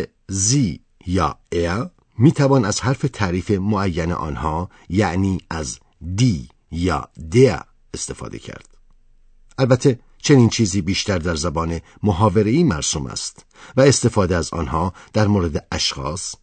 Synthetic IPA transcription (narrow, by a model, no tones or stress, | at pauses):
ziː | jɒːe | miːt̪ʰævɑːnæzhæɾfe̞t̪ʰæːɾiːfe̞moæjːænḛʔɒ̰ːnhɒː | jæʔniːæz | d̪iː | jɒ̰ːd̪e | est̪e̞fɒ̰ːd̪e̞̰cʰæ̰ɾd̪̥ | ʔælbæt̪ʰːe̞ | t͡ʃʰe̞niːnt͡ʃʰiːziːbiːʃt̪æɾd̪æɾzæbɒːne̞ | moɦɒːve̞ɾeiːmæɾsuːmæ̰st̪ | væest̪e̞fɒːd̪eæzɒ̰ːnhɒːd̪̥æɾmoːɾed̪eʔæʃxɒːs